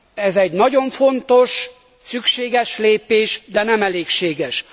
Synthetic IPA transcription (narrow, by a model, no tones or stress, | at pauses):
ɛzɛɟnɒɟo̞ɱfo̞nt̪o̞ʃ | sykʃeːɡɛʃleːpeːʃd̪ɛnɛmɛleːkʃeːɡɛʃ